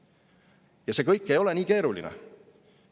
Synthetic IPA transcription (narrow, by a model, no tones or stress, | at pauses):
jɑse̞ːkɤjkːe̞jo̞lenʲiːke̞ːɾulḭnɛ̰